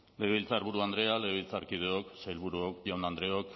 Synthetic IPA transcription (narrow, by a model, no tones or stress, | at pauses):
le̞βilt͡saɾβuɾuand̪ɾe̞aleilt͡saɾkið̞eoksajlβuɾuokjawnand̪ɾe̞ok